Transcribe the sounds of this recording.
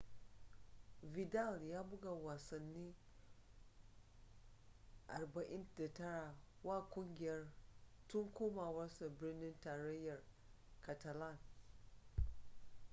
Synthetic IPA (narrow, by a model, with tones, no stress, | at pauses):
vɪ˨da˦˨ljaː˦bʊ˦ɡa˨waː˨sɐ˨nːiː˦ | ʔa˨rbɐ˨ʔɪ˦nda˨tɐ˦ɽa˨ | waː˦kʷʊ˦ŋɡʲɪ˨jɐ˦rtʊ˦ŋkʷoː˦maː˨wɐ˦rsa˨bɪ˦rnɪ˦ntaː˨ɾɐ˦jːɐ˨r | ka˨ta˨la˦˨n